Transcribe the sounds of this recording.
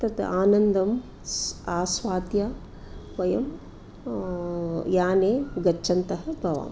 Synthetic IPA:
t̪ɐt̪ɐ̰ʔaːnɐnd̪ʱɐm | saːsʋaːt̪jaː | ʋɐjɐm | jaːneːɡɐt͡ʃːʃʰɐnt̪ɐɦɐbʱɐʋa̰ːm

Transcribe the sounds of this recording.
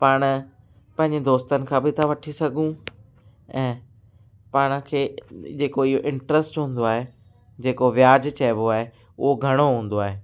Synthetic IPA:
paːɽ̃ | pɐ̃ɦɪ̃ɲd͡ʑed̪oːst̪ənɪ̆kʰãːbɪt̪ʰaʋɐʈʰisɐɡʱũ | ɛ̃ː | paːɽ̃əkʰeːd͡ʑeːkoɪɦoʔɪ̃ɳʈɾəsʈɦũːn̆d̪oaːɦe | d͡ʑeːkoʋjaːd͡ʑt͡ɕɛːboaːɦe | ʊ̰ɦoɡʱɐɽ̃oɦũːn̆d̪oaːɦeː

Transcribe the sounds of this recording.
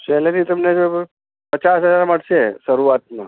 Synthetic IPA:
t͡ʃɛːlenit̪əmned͡ʒo | pət͡ʃasɦəzaɾməɽsesəɾuat̪̚mã̰

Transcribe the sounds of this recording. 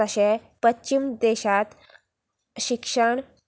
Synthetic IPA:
əɕe | pətːt͡ɕimd̪eɕat̪ | ɕikʂəɳ

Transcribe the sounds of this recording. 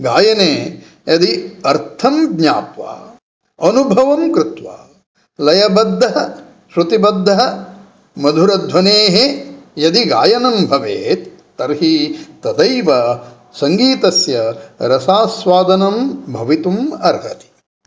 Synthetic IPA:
ɡaːjɐneː | jɐd̪iɐɾt̪ʰɐmɡɲaːpʋa̰ː | ɐnubʱɐʋɐmkɾɪt̪ʋa̰ː | lɐjɐbɐd̪ʱːɐɦɐ | ʃɾut̪ibɐd̪ʱːɐɦɐ | mɐd̪ʱuɾɐd̪ʱʋɐneːɦejɐd̪iɡa̰ːjɐnɐmbʱɐʋeːt̪ː | ɐɾɦit̪ɐd̪ɐjʋɐ | sɐŋɡiːt̪ɐsjɐɾɐsaːsʋaːd̪ɐnɐmbʱɐʋit̪umɐɾɦɐ̰t̪i̥

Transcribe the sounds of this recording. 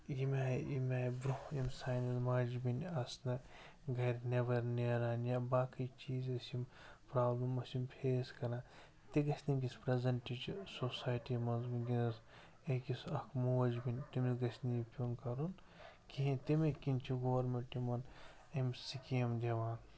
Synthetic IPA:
jimʲaːḭmʲaːjbɾuimsaːjnɐzmad͡ʒbinɐsnɐ | ɡɐɾneʋɐɾneɾaːnjabaːkit͡ʃiːzɐsim | pɾaːblɐmɐsimpʰeːskɐna | t̪eɡɐsʰʲnimɡʲispɾezɐɳʈit͡ʃsosaːjʈimɐnzminɡinɐs | ekisɐkʰmoːɐd͡ʒbinʲtimiɡɐsʲnijipʲunkɐɾun | kʰiɦĩt̪imekint͡ʃʰiɡoʋɐɾmeɳʈimɐn | imsikiɐmd͡ʒʲɐʋaːn

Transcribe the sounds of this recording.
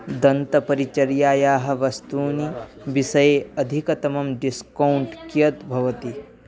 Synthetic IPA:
d̪ɐnt̪ɐpɐɾit͡ʃɐɾjaːjaːɦɐ̆ʋɐst̪uːni | ʋisɐjeɐd̪ʱikɐt̪ɐmɐmɖiskɐuɳʈkjɐt̪bʱɐʋɐt̪i

